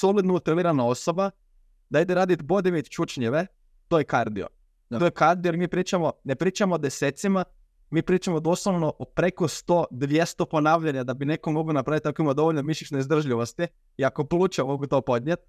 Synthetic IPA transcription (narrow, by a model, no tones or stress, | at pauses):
solit̪nout̪iliːɾanao̞soba | d̪aid̪eɾaːd̪it̪bo̞d̪iʋeit̪t͡ʃut͡ʃɲeʋe | t̪ojekaɾd̪io̰ | t̪ojekaɾd̪ijomiːpɾiːt͡ʃamone̞pɾiːt͡ʃamoːd̪eseːt̪sima | miːpɾiːt͡ʃamod̪oslˠoʋno̞ʔopɾe̞kost̪o̞ːd̪ʋje̞st̪opo̞naːʋʎaɲad̪abine̞komoɡlionapɾaʋit̪ːakoimad̪o̞ʋoʎnomiʃʲit͡ʃneizd̪r̩ʒʎiʋost̪i | iakopluːt͡ʃemoɡut̪o̞po̞d̪ɲʲjet̪̚